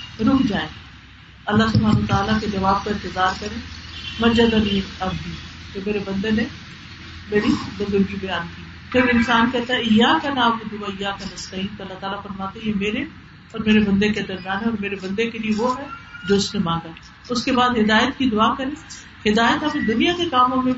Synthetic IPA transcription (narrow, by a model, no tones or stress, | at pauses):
ɾũːd͡ʒaːẽː | ɐlːasʊbʱaːnːt̪aːlaked͡ʒɐʋaːb̚kaɪ̃nt̪ɪzaːɾkɐɾẽːmɐd͡ʒɐd̪ɐmiːnɐbd̪ikemeːɾebɐ̃nd̪ene | meːɾid̪ɐzʊɾɡibɐjaːnkiː | pɪɾɪnsaːnkɛːt̪aɦɛɪjaːkɐnaːmkɪd̪ʊaɪjaːkɐnɐst̪ɐɦĩːnt̪oɐlːat̪aːlafɐɾmaːt̪eɦɛ̃jemeːɾe | ɔːɾmeːɾebɐ̃nd̪eked̪ɐɾmijaːnɦɛɔːɾmeːɾebɐ̃nd̪ekelieʋoɦɛd͡ʒoːʊsnemãːŋɡaɦɛ | ʊskebaːd̪ɦɪd̪aːjət̪kid̪ʊaːkɐɾẽː | hɪd̪aːjət̪ɦɐmd̪ʊnijakekaːmõmẽ